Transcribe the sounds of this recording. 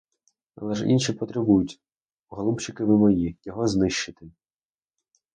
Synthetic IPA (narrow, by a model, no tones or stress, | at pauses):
ɐ̰lˠɛʒḭnʃipɔt̪ɾɪbujʊtʲ | ɦɔlˠubt͡ʃɪkɪʋɪmɔjijɔɦɔznɪʃt͡ʃːɪt̪ɪ